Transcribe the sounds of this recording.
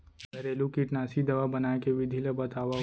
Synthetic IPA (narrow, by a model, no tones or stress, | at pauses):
ɐɾeːlũkiʈnaːsid̪ɐʋabɐnaːekeʋɪd̪ʱilebɐt̪aːʋa